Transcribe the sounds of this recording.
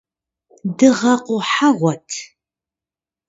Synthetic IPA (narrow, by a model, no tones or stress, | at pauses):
dɨʁɐqʷʊħaʁʷɔtʰ